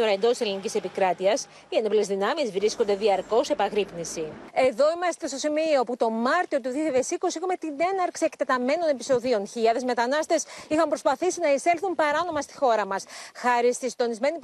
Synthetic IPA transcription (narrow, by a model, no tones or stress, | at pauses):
t̪o̞ɾɐend̪ot̪iselinicise̞pikɾɐt̪iɐs | iɐnoplezðinɐmizvɾiskond̪eðiɐɾko̞se̞pɐɣɾipnisie̞ðo̞imɐst̪e̞st̪o̞simio̞put̪o̞mɐɾt̪io̞t̪uðioçjaðesiko̞siexumet̪ine̞nɐɾksie̞kt̪et̪ɐme̞no̞ne̞pi̥so̞ðio̞nçiɐðe̞zme̞t̪ɐnɐst̪e̞sixɐmpɾo̞spɐθisinɐise̞lθumpɐɾɐno̞mɐst̪i̥xo̞ɾɐmɐsxɐɾist̪isind̪o̞nizme̞ni